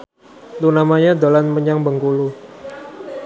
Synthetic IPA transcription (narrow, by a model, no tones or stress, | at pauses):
lunamaɲad̪olanməɲaŋbəŋkulu